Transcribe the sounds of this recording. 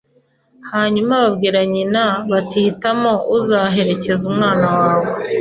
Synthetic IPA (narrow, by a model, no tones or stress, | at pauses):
haːɲumaβabɡiːɾaɲinaβatihitamo̞uzaɦe̞ɾe̞ce̞zumŋaːnawaaːwo̞